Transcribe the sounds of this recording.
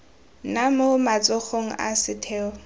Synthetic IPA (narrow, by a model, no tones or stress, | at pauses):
namomat͡sʼɔχoŋ̩ʔa̰sɪtʰɛːɔ